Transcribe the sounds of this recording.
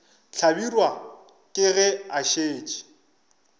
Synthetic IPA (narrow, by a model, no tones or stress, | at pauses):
t͡ɬʰabirwa | kʼɪɣɛaʃeːt͡ʃʼi̥